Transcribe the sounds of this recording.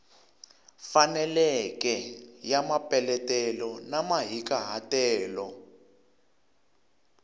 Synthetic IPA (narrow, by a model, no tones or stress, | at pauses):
fanɛlɛkɛjamapɛlɛtɛlɔnamaɦikaɦatɛːlɔ̰